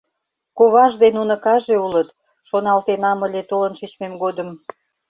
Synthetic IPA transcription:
koβɑʒd̪enunə̆kɑʒeulət̪ | ʃonɑlt̪enɑməlʲet̪olə̆nʃit͡ɕmemɡod̪əm

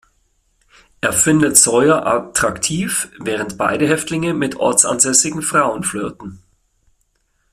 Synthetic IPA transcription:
ʔeːɐfɪndətz̥ɔʏɐʔatʁ̥aktʰiːfvɛːʁ̞əntb̥a̰ɪɾəɦɛftlɪŋəmɪtʔɔ̰ɐt͡sa̰nzɛsɪɡŋ̩fʁ̥aʊənfløːtn̩

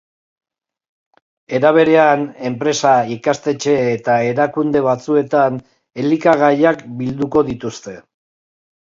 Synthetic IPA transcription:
e̞ɾaβ̞e̞ɾe̞ane̞mpɾe̞saikast̪e̞t͡ʃe̞ːt̪ae̞ɾakund̪e̞βat͡sue̞t̪an | e̞likaɣ̞ajakbild̪uko̞ðit̪ust̪e̞

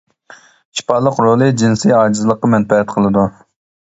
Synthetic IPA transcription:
ʃi̥pɑlˠːəqɾolˠɨd͡ʒinsijɑːd͡ʒizɨlˠəqːɑmɛnpɛɦɛt̪qʰəlˠɨd̪u

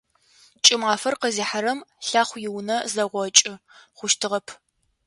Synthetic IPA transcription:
t͡ʃʼɪmʁaːfɐrqəziːħaɾɐmɬaːχʷjɪwnɐzɐʁʷɔt͡ʃʼɪχʷʊʃtʰɨʁɐpʰ

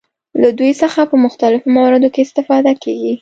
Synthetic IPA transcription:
lad̪ujsəxapəmʊxt̪alɪfomawɑɾɪd̪okeɪst̪ɪfɑd̪akeɡi

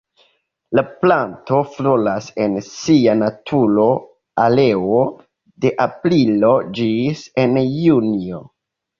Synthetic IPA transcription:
laplanto̞flolase̞nsianatʰuɾo | ale̞o | de̞ʔapɾilo̞d͡ʒise̞njunio

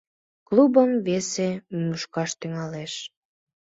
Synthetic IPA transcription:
klubəmvesemymuʃkɑʃt̪yŋɑleʃ

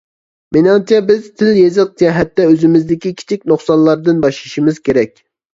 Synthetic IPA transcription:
mɪnɑŋt͡ʃʰɛbɪzt̪ʰɪljezɨq̚d͡ʒɛɦɛt̪ːɛøzɪmɪzd̪ɪkʲikʲʰi̥t͡ʃʰik̚ʲnoχsɑnlˠɑɾd̪ɨnbɑʃlˠɨʃimɨz̥kʲʰeɾɛkʲ

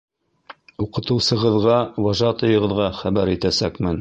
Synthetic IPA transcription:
uqɤ̆t̪ɤ̆wsɤ̆ʁɤ̆ðʁɑwɑʒɑt̪ɤ̆jɤ̆ʁɤ̆ðʁɑχæbæɾit̪æsækmɘn

